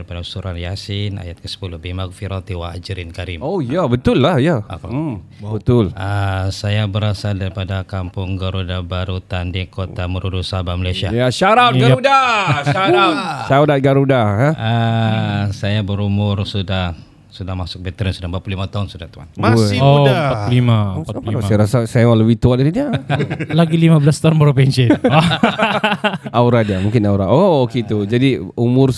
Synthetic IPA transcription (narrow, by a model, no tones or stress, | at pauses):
ɾipadasuɾanjasɪna̰jat̪̚kəsə̥pulʊhbimak̚fiɾɔt̪iwaad͡ʒɾinkaɾimojabət̪ʊlːahjaapabət̪ʊləsajabəɾasaldaɾipadakampʊŋɡəɾudabaɾut̪andikoaməɾudusaɦabamalajsiajaʃaɾap̚ɡaɾudaʃaɾapʃadat̪̚ɡaɾudaɦaə | sajabəɾumʊrsudah | sudahmasʊk̚bɛt̪əɾɛnsudabat̪̚pulimat̪aʊnsudaht̪ua̰nmaɪodaaulimaapanaajaɾasasajaaləwit̪uandadidialaɡilimablast̪aʊnpɾopɛnsə | auɾadiamũŋkɪnauɾaʔooket̪ud͡ʒadiumʊr